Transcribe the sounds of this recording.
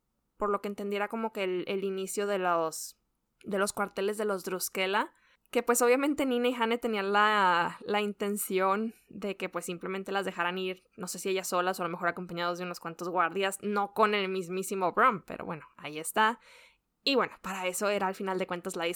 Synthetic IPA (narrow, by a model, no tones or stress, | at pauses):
po̞ɾlo̞keːnt̪e̞nd̪je̞ɾako̞mo̞ke̞lelinisjo̞ðe̞los | d̪e̞lo̞skwaɾt̪e̞le̞zðe̞lo̞zd̪ɾuske̞la | ke̞pwe̞so̞βjamẽnt̪e̞nːĩnaixanet̪e̞nianlalaint̪e̞nsjo̞nd̪e̞ke̞pwe̞sːimple̞mẽnt̪e̞lazðe̞xaɾaniɾ | no̞se̞sieʝaso̞lasoalo̞me̞xoɾako̞mpaɲað̞o̞zðeuno̞skwant̪o̞zɣwaɾðjazno̞ko̞ne̞lmizmisimo̞βɾompḛɾo̰βweno̞aie̞st̪a | iβwe̞no̞paɾae̞so̞e̞ɾaːlfinald̪e̞kwe̞nt̪azlaði